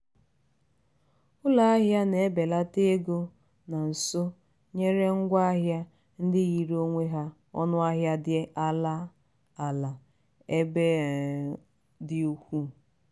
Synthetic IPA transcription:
ʊ˦la˨a˦ɦja˦ne˨e˦be˨la˦te˦e˦ɡo˦ | na˨n̩˨so˦ | ɲe˦ɾe˦ŋ̩˦ɡʷa˦a˦ɦja˦ | n̩˦dɪ˦ɣi˨ɾo˦ŋʷe˦ɦa˦ | ɔ̰˦nʊ˦a˦ɦja˦dɪ˦ʔa˦la˦ | a˨la˨ | e˦be˦ | dɪ˦u˦kʷu˦˨

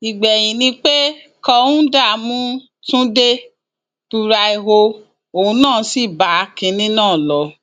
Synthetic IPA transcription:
i˨ɡ͡bɛ˨j̃ĩ˨nĩ˧k͡pe˦ | kɔ˧ũ˦da˦˨mũ˦ | tũ˦de˦ | tu˧ɾa˧i˧ɦo˧ | o˨ũ˧˦nãː˦˨˧si˦˨ba˨˦kĩ˧nĩ˦nãː˦˨lɔ˨˧

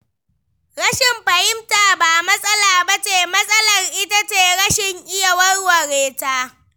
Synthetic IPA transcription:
ɾɐ˦ʃɪ˨mɸɐ˨hɪ˦mtaː˨baː˨mɐ˦sʼɐ˦laː˨bɐ˦t͡ʃeː˨mɐ˦sʼɐ˦lɐ˨rʔɪ˦ta˦t͡ʃeː˨ɽɐ˦ʃɪ˨ŋʔɪ˦ja˨wɐ˦rwɐ˨ɾeː˨taː˦

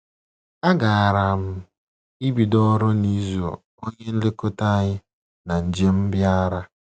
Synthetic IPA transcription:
a˦ɡa˨a˨ɾa˨m̩˦ | i˦bi˨dɔ˦ɾʊ˦ni˦zu˨o̰˨ | o˦ɲe˦n̩˦le˦ko˦ta˦ɲɪ˦ | na˨n̩˨d͡ʒe˦m̩˦bja˦ɾa˦

